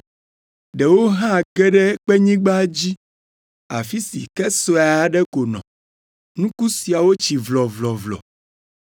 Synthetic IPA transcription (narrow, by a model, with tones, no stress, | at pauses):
ɖɛ˨wo˦ɦã˦˨kɛ˦ɖɛ˦k͡pɛ˦ɲĩ˦ɡ͡ba˦d͡ʑi˦ | a˨fi˦sḭ˨kɛ˦sɔ˦a˨a˦ɖɛ˦ko˨nɔ̰̃˨ | nũ˦ku˦si˨a˨wo˦t͡ɕi˨vlɔ˨vlɔ˨vlɔ̰˨